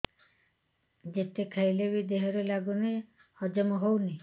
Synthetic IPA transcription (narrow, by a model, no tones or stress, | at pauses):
d͡ʒet̪ekʰajlebid̪eɦɔɾelaɡune | hɔd͡ʒɔmɔɦowni